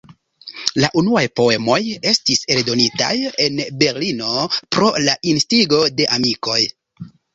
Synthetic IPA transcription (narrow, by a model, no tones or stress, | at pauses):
laʔunuajpo̞e̞mo̞je̞stise̞ldo̞nita̰je̞nbe̞ɾlino̞pɾo̞laʔinstiɡo̞de̞ʔamiko̞j